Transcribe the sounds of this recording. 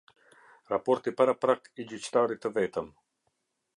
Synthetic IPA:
rapɔɾt̪ipaɾapɾakid͡ʑyt͡ɕt̪aɾit̪əvɛt̪əm

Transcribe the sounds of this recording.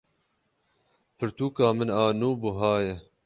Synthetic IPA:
pʰɨɾt̪uːkɑːmɨnaːnuːbuɦɑːjɛ

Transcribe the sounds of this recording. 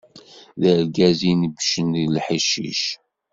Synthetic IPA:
ðəɾɡæzinbʃənilħəʃːḭʃ

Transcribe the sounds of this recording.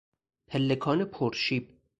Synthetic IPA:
pʰelːekʰɒːnepʰoɾʃiːb̚

